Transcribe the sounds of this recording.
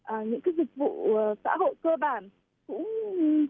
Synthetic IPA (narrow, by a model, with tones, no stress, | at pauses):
ʔəː˨˩ɲɨ̰˧˥ŋkaː˨˦jzï˨˩k̚vṵ˧˨ə˨˩sa̰ː˧˥ho̰˧˨jkəː˧ɓaː˨˩n | kʊ̰˧˥ŋ͡m